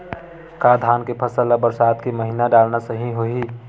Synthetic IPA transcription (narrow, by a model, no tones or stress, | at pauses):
kad̪ʱaːnkepʰəsəlːabəɾsaːd̪keməɦiːnaɖaːlnasəɦĩɦoi